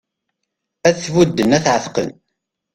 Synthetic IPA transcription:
æðθvud̪ːənæθʕəθqə̰n

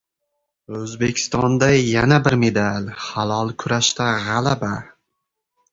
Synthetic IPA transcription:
ɵzbe̞kʲʰɪ̥st̪ɒnd̪ajanabɪɾme̞d̪alʲhalˠɒlˠkʰʊɾaʃt̪aʁalaba

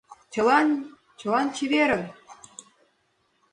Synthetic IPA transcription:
t͡ɕɤ̆lɑn | t͡ɕɤ̆lɑnt͡ɕiβeɾɘ̆

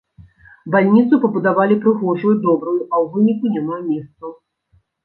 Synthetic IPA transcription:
balʲnʲit̪sɨpɐbud̪avalʲipɾɨɣɔʐɐjd̪ɔbɾujuʔɐwvɨnʲikunʲamamʲɛst̪sɐ

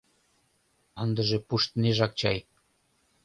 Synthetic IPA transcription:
ənd̪ə̆ʒĕpuʃt̪neʒɑk̚t͡ɕɑj

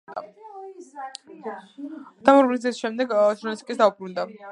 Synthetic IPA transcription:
t̪a | d̪̥amɔɾblizisʃɛmd̪ɛɡt͡ʃ̪ɾltsikʼisd̪aubɾund̪a

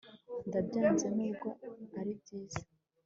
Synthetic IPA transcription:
ndabɟaːnzenuːbɡo̞aɾib̚ɟiːz̥e

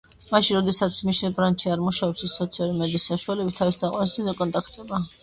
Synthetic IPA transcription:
maʃinɾɔd̪ɛsat̪sʰmiʃnɛlbɾanʃiaɾmuʃaɔpsɛssɔt̪sʰialuɾimɛd̪iːsːaʃualɛbit̪ʰːavisd̪aqʼwanɛst̪inzɛkʼɔnt̪ʼakʰt̪ʼɛba

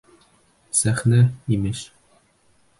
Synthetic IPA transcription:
sæχnæimɘʃ

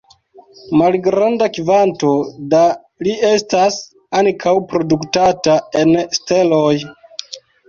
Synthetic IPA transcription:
malɡɾandakivanto̞da | lie̞stas | aŋkʰawpɾo̞duktatae̞nste̞loj

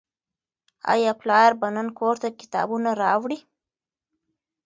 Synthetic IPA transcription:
ɑ̰jɑplɑɾbanənkʰoɾt̪akɪ̥t̪ɑ̰bunaɾɑwɽi

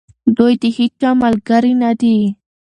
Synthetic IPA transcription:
d̪ojt̪ihit͡ʃamalɡaɾinad̪i

